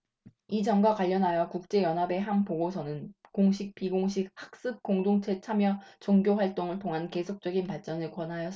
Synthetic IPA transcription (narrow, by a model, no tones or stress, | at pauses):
id͡ʑʌŋɡwakwaʎːʌnɦajʌkuk̚t͡ɕ͈e̞jʌnɦabe̞ɦanpoɡosʰʌnɯnkoŋɕʰik̚p͈iɡoŋɕ̬ʰik̚hak̚s͈ɯp̚k͈oŋdoŋt͡ɕʰe̞t͡ɕʰamjʌt͡ɕoŋɡjoɸwaɭt͈oŋɯɭtʰoŋɦanke̞sʰok̚t͡ɕ͈ʌɡinpaɭt͡ɕ͈ʌnɯɭkwʌnɦajʌs